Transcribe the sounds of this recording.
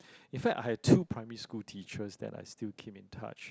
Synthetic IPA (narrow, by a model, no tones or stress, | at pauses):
ĩnfɛk̚tajhɛd̚tʰupʰɹãɪməɹiskultʰit͡ʃəsdɛ̰ta̰jstilkʰẽmĩntʰa̰t͡ʃ